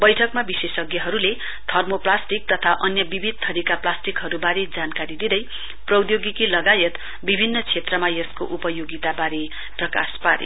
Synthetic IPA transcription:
bʌjʈʰʌkmabisesʌɡjʌɦʌɾule | d̪ʱʌrmoplasʈik̚t̪ʌt̪ʰaʔʌnjʌbibʱid̪̚t̪ʰʌɾikaplasʈikɦʌɾubaɾed͡zankaɾid̪id̪ʌj | prʌwd̪joɡikilʌɡajʌt̪ | bibʱinːʌt͡sʰet̪rʌmajʌskoʔupʌjoɡit̪abaɾe | prʌka̰spaɾḛ

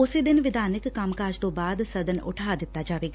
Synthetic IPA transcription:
ʊseːd̪ɪnʋɪd̪aːnəkːəmkaːd͡ʒt̪õːbaːd̪səd̪ənʊ̰ʈʰaːd̪ɪt̪ːaːd͡ʒaːʋeːɡa

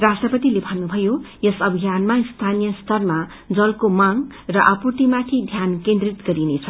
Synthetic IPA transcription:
rasʈrʌpʌt̪ilebʱʌnːubʱʌjojʌsʌbʱijanmaist̪ʰanijʌst̪ʌrma | d͡zʌlkomaŋ | rʌʔʌpurt̪imat̪ʰid̪ʱjankend̪rit̪ɡʌɾinet͡sʰʌ

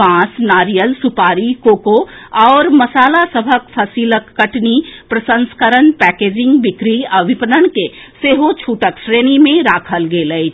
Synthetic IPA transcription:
ãːsnaːɾijəlsʊpaːɾikoːkoɔːɾmɐsaːlasəbʱəkpʰəsiːləkːəʈnipɾəsə̃nskəɾənpɛːkeːd͡ʒɪ̃ŋɡbɪkɾiəbʱɪpənənke | seːɦot͡ʃʰuːʈəkʃɾeːnimẽɾaːkʰəlɡeːləi

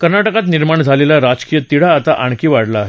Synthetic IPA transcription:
kəɾnaʈəkat̪̬niɾmaɳd͡zʱalelaɾad͡ʑkijət̪iɽ̤aːt̪aʔaɳ̃kiːʋaɽlaːɦe

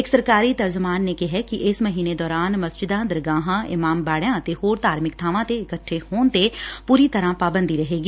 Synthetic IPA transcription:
eːksɐɾkaːɾit̪ɐɾd͡ʒʊmaːnːekɛɦɛkiʔɪsmɐɦiːned̪ɔːɾaːnmɐsd͡ʒɪd̪ãd̪ɪɾɡãːɦãʔɪmaːmbaːɽjãt̪ehoːɾt̪aːɾmɪkt̪ʰaːʋãt̪eɪkəʈʰːehoːnt̪epuːɾit̪ɐɾãpaːbə̃nd̪ʱiɾɐɦeːɡiː

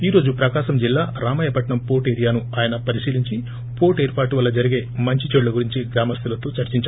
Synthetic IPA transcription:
iːɾo̞ːd͡ʒupɾɐkaːʃɐmd͡ʒilːaːɾaːmɐːjɐpɐʈɳɐmpo̞ːʈeːɾijaːnuaːjɐnɐpɐɾiʃiːliɲt͡ʃi | po̞ːʈeːɾpaːʈuʋɐlːɐd͡ʒɐɾiɡe̞ːmɐɲt͡ʃit͡ʃeɖlɐɡuɾiɲt͡ʃiɡɾaːmɐst̪ʰulɐt̪o̞ːt͡ʃɐɾt͡ʃiɲt͡ʃa

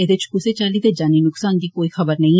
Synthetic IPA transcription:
eːd̪ɪt͡ʃkʊseːt͡ʃaːliːt̪eːd͡ʒaːniːnʊksaːnd̪iːkoːiːxəbəɾnəĩː

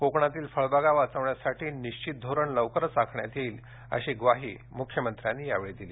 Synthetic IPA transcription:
kokɳat̪iːlfəɭbaɡaʋat͡səʋɳjasaʈʰiːniɕt͡ɕit̪̚d̪ʱoɾəɳləʋkəɾət͡sakʰɳja̰t̪iːl | ə̰ɕiːɡʋaɦḭː | mukʰjəmənt̪ɾanːiːjaʋeɭed̪iliː

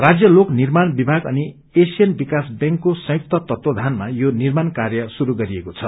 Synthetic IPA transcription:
rad͡zjʌloknirmanbibʱaɡʌ̰ni | esijʌnbikasbjʌ̃ŋkːosʌ̃juk̚t̪ʌt̪ʌt̪wʌd̪ʱanmajonirmankarjʌsuɾuɡʌɾiekot͡sʰʌ

